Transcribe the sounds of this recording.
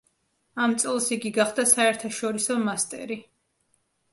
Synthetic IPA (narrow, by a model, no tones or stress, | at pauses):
amt̪sʼɛlˠsiɡiɡaχd̪asaɛɾt̪ʰaʃɔɾisɔmast̪ʼɛ̰ɾi